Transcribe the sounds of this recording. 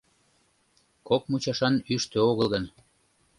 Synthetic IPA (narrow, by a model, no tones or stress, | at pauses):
kok̚mut͡ɕɑʃɑnyʃt̪øoɣəlˠɣən